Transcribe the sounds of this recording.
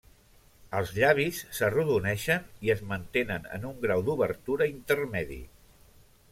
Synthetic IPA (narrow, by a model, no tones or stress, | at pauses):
əlˠzʎaβ̞isːəruðunɛʃəniəzmənt̪enənə̰nuŋɡɾawd̪uβəɾt̪uɾəint̪əɾmɛðḭ